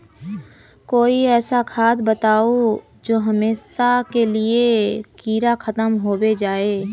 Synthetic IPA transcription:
koːiɛːsakʰaːd̪bət̪aːo | d͡ʒoːɦɐmeːʃakeliekiːɾaxʰɐt̪əmɦoːwed͡ʒaːeː

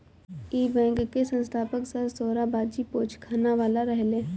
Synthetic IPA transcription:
iːbɛ̃ːŋkkːesə̃nst̪ʰaːpəksəɾsoːɾabaːd̪d͡ʒipoːt͡ʃʰkʰaːnaʋaːlaɾɛɦleː

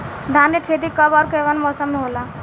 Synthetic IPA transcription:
d̪ʱaneʈʰet̪iːkəbaɾkeʋənmɔsəmːiɦola

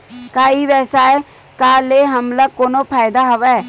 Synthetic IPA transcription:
kaːiʋɛːsaɛ | kaːleːɦəmləɡkoːnopʰaːɪd̪aɦoʋɛ

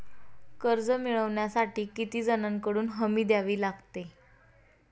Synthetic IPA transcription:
kəɾd͡zəmiɭəʋɳjasaʈiːkit̪iːd͡zənãŋkəɽuːnɦəmiːd̪jaʋiːlaɡt̪e

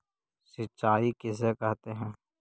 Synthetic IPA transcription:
sɪt͡ʃʃaːikɪs̬ekɐɦt̪eɦɛ̃ː

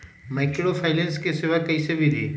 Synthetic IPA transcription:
maɪkɽofʰaɪlenskesɪʋakɐisebʱid̪ʱiː

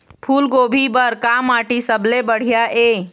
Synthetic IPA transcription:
pʰuːlɡoːbʱibəɾkamaːʈisəblebəɽ̤ijaʔeː

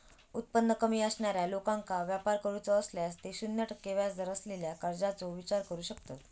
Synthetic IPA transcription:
ut̪̚pənːəkəmiːəsɳjaɾjalokãŋkaʋjapaɾkəɾut͡sɔːsljast̪eɕunːjaʈəkːeʋjasd͡z̪əɾəsleljakəɾd͡zat͡soʋit͡ɕaɾkəɾuːɕəkt̪ot̪

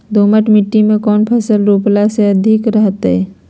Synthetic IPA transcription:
d̪ʱoːməʈmɪʈːimẽkɔːnpʰɐsəlɾoːplaseɐd̪ʱɪkɾəɦt̪ɦɛː

